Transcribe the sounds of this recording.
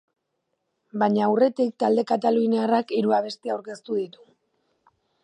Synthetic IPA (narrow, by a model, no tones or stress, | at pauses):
baɲaːwre̞t̪ik̚t̪ald̪e̞kat̪alunearakiɾuaβ̞e̞st̪iawɾke̞st̪uðit̪u̥